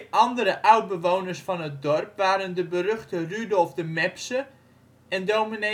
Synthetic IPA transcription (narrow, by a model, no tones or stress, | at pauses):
ʔɑndəɾəʔawt̚bəʋownərsfɑnət̚dɔrpʋaːɾəndəbərøχtərydɔlˠfdəmɛpsə | ɛndomine